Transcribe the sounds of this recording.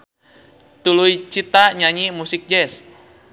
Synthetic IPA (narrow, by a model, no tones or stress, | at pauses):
t̪uluit͡ʃit̪aɲaɲimusik̚d͡ʒɛs